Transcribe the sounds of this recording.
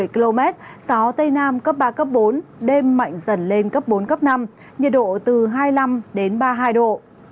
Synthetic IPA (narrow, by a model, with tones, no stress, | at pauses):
ə˩jki˧lo˧mɛ˦˥t̚sɔ˨˦t̪ə˧jnaː˧mkə˦˥p̚ɓaː˧kə˦˥p̚ɓo˨˦nɗe˧mːa̰˧˨jŋ̟zə˧˩nle˧nkə˦˥p̚ɓo˨˦nkə˦˥p̚na˧m | ɲə˨˩t̚ɗo̰˧˨t̪ɨ˨˩ɦaː˧jla˧mɗe˨˦nɓaː˧ɦaː˧jɗo̰˧˨